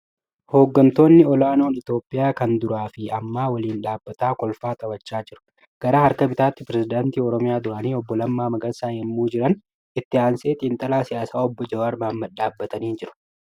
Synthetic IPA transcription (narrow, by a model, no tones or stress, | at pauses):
ho̞ːɡːɐnt̪o̞ːnːɪɔlaːno̞ːnɪt̪o̞ːpʼːɪjaːkɐnd̪ʊɾaːfɪɐmːaːwɐliːnᶑaːbːɐt̪aːkʼɔlfaːt̪ʼɐwɐt͡ʃːaːd͡ʒɪɾʊ̥ | ɡ̥ɐɾaːhɐɾkɐbɪt̪aːt̪ːɪpɪɾɛsɪd̪aːnt̪iːɔɾɔmɪjaːd̪ʊɾɐːniːɔbːɔlɐmːaːmɐɡɐsaːɛmːuːd͡ʒɪɾɐn | ɪt̪ːɪaːnse̞ːt̪ʼiːnt̪ʼɐlaːsɪjaːsaːɔbːɔd͡ʒɐwaːɾmaːmːɐᶑaːbːɐt̪ɐniːnd͡ʒɪɾʊ̥